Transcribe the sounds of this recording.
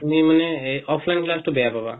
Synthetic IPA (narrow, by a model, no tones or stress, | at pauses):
t̪umimanɛɔpʰlajnklastobɛjapaba̰